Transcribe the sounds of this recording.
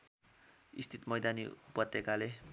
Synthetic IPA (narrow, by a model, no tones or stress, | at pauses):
ḭst̪ʰit̪mʌjd̪aniupʌt̪ːjekale